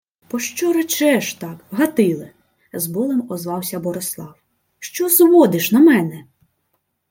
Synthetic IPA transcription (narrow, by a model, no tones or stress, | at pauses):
pɔʃt͡ʃɔɾɐt͡ʃɛʃt̪ɑkɦɐt̪ɪlˠɪ | zbɔlˠɪmɔzʋɑwsʲɐbɔɾeslˠɑw | ʃt͡ʃɔzʋɔd̪ɪʃnɐmɛnɛ